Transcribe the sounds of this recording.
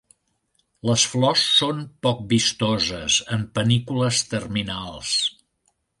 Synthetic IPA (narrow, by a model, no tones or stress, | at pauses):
ləsflɔsːonpɔk̚bist̪ɔzəsəmpənikuləst̪ərminalˠs